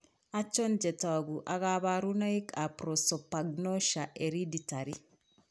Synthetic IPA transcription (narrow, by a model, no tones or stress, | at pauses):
at͡ʃond͡ʒɛtaɡuʔaɣaβaɾunaikʰapɾosɔpaɡnoʃaʔeɾiditaɾi